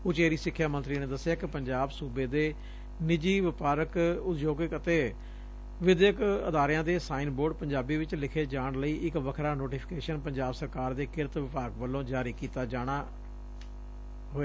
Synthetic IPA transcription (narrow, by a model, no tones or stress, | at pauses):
ʊt͡ʃeːɾiːsɪkʰːjaːmə̃nt̪ɾiːneːd̪əsːɪjaːkɪpəɲd͡ʒaːbsuːbeːd̪eː | nɪd͡ʒiːʋɪpaːɾəkʊt̪joːɡɪkət̪eː | ʋɪd̪jəkəd̪aːɾɪjãːd̪eːsaːiːnboːɖ̚pəɲd͡ʒaːbiːʋɪt͡ʃlɪkʰeːd͡ʒaːɳləiːʔɪkʋəkʰɾaːnoːʈiːpʰɪ̥keːʃənpəɲd͡ʒaːbsəɾkaːɾd̪eːkɪɾt̪ʋɪpaːɡʋəlːõːd͡ʒaːɾiːkiːt̪aːd͡ʒaːɽ̃aː | ɦoːeː